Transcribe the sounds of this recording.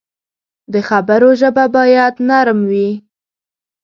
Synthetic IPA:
d̪əxabəɾoʒəbabɑjad̪naɾmwi

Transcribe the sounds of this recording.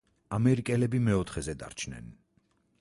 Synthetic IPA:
amɛɾikʼɛlɛbimɛɔt̪ʰχɛzɛd̪a̰ɾt͡ʃʰnɛ̰n

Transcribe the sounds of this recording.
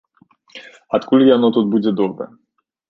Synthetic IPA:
at̪kulijanɔt̪ot̪̚bud͡zʲɛd̪ɔbɾɛ̰

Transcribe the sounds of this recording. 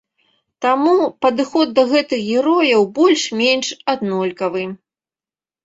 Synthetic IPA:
t̪amupɐd̪ɨxɔd̪̚ːɐɣɛt̪ɨxɣʲɛɾɔjɐwbɔlʲʂmʲɛnʂad̪nɔlʲkɐvɨ

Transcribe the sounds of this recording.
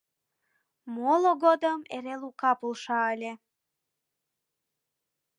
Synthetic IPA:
moloɡod̪əmeɾelukɑpulˠʃɑəlʲe

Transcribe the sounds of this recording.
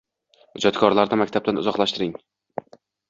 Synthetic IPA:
ʊd͡ʒɒt̪kʰɒɾlaɾd̪ɪmak̚ʲt̪ʰab̚t̪anʊ̰zɒqlˠaʃt̪ɪɾɪŋ

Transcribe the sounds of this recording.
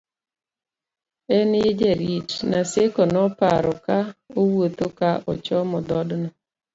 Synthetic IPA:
ɛnɪd͡ʒeɾit͡ʃnasekɔnɔpaɾɔkaowot̪okaʔɔ̰t͡ʃɔmɔd̪ɔdnɔ

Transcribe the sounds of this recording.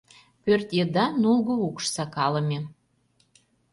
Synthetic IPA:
pørt̪jed̪ɑnulɣoukʃsɑkɑlə̆mʲe

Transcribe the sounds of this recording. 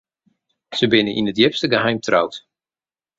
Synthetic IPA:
səbɪnəʔḭnətjɪpstəɡəɦɛjmtra̰wt

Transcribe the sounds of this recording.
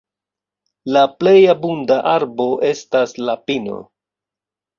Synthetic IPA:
laple̞jabundaʔaɾbo̞ʔe̞staslapino̞̰

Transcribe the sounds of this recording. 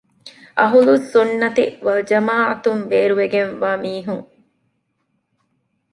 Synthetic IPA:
ɐɦulusunːɐt̪iʋɐld͡ʒɐmaːʔɐt̪umʋeːɾuʋeɡenʋaːmiːɦuŋ

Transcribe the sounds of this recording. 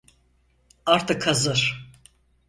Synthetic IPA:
aɾt̪ʰɯkʰːazɯɾ̥

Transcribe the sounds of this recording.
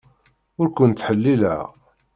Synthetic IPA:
ʊɾkʷənt̪ːħəlːilæ̰ʁ

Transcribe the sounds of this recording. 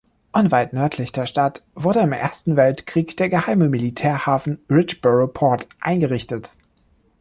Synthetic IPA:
ʔɔnvaɪtnœɐtʰlɪçd̥eːɐʃtatv̥ʊɐɾəɪmʔḛːɐstn̩vɛltkʁ̥iːkd̥eːɐɡəhaɪməmilitʰɛːɐhaːfn̩ʁɪt͡ʃb̥œʁopʰɔɐtʔa̰ɪnɡəʁɪçtət

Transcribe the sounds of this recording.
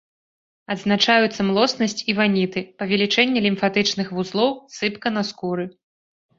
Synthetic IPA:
ɐd̪znat͡ʂajut̪sːɐmlˠɔsnɐsʲt͡sʲivanʲit̪ɨpɐvʲɛlʲit͡ʂɛnʲːɛlʲimfat̪ɨt͡ʂnɨxvuzlˠɔwsɨpkɐnɐskuɾɨ

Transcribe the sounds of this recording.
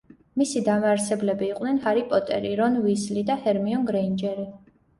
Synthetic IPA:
misid̪amaɾsɛblɛbiːqʼwnɛnhaɾipʼɔt̪ʼɛ̰ɾiɾɔnvislid̪ahɛɾmiɔnɡɾɛind͡ʒɛɾi

